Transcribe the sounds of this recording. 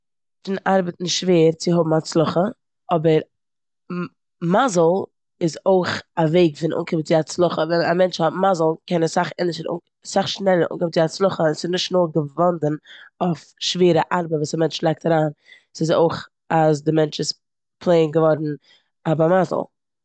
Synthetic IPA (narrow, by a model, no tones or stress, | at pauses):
fɪnʔaɾbətn̩ʃveːɾt͡sɪɦʊbm̩at͡slˠʊχə | ɔbəɾ | mazl̩ˠ | ɪzoɪχaveɪɡfɪnʔṵːŋkʰɪbt͡sɪat͡slˠʊχəvɛnamɛnt͡ʃhɔtmazl̩ˠkɛnəsaχɪnɪʃəɾṵ | saχʃnɛlˠəɾṵŋkɪbt͡sɪat͡slˠʊχəɛsɪznɪʃtnoːɡəvɔndənofʃveːɾəʔaɾbəvuːsamɛnt͡ʃlˠɛɪk̚taɾaːn | sɪso̰ɪχ | as̬dɪmɛnt͡ʃɪs | pʰlˠeɪnɡəvɔɾn̩ | abamaz̰l̩ˠ